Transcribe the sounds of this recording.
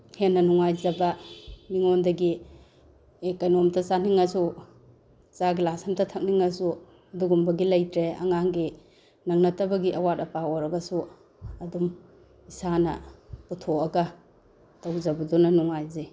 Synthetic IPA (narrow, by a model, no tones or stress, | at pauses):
henːɐnuŋajzɐbɐmiŋondɐɡi | ekajnomtɐt͡ʃaniŋɐsu | t͡ʃaɡilasɐmtɐtʰɐk̚niŋɐsu | ɐduɡumbɐɡilɐjtɾeɐ̰ŋaŋɡi | nɐŋnɐtɐbɐɡiʔɐwatɐpaɔɾɐɡɐsu | ɐdum | isanɐ̰putʰoɐɡɐ | tawzɐbɐdunɐnuŋajze